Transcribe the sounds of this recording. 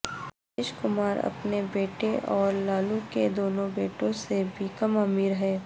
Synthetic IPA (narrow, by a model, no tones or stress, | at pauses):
ɪʃkʊmaːɾɐ̰pnebeːʈeʔɔːɾlaːluked̪oːnõbeːʈõsebʱikɐmaːmiːɾɦɛː